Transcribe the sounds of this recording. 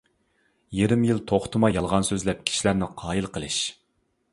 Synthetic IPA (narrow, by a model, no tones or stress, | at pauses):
jeɾɪmjilˠt̪ʰoχt̪ʰɨmɑjɑlˠʁɑnsøzlɛp̚kʲʰi̥ʃilæɾnɪqʰɑːjilˠqʰəlˠɨʃ